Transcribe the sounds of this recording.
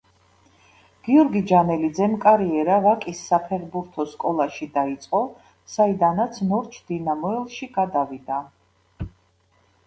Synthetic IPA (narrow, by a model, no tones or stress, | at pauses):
ɡ̥iɔɾɡid͡ʒanɛlid̪zɛmkʼaɾiɛɾavakʼisːapʰɛɾbuɾt̪ʰɔskʼɔlˠaʃid̪ait̪sʼqʼɔ | said̪anat̪sʰnɔɾt͡ʃʰd̪̥inamɔɛlˠʃiɡ̥ad̪avid̪a